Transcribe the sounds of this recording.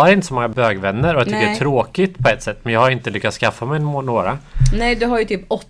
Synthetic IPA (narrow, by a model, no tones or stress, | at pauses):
aɾɪnt̪ə̥sɔmɔŋːabøːɡvɛnːəɾɔjat̪ʰɪkːəɛt̪ʰɾoːkɪt̪pʰɔɛt̪ːsɛt̪ːmɛnjɑːhaɾɪnt̪əlʏkːat̪skafːamɛj̪noːɾanɛjd̪ɵɦaɾjɵt̪ʰyːpɔ